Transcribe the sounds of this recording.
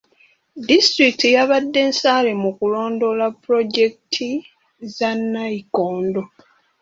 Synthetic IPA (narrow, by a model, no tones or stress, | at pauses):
distɾiktijaβadːe̞ːnsaːlemukulo̞ːndo̞lapːɾo̞ɟe̞ktʰi | zanːaikoːndo̞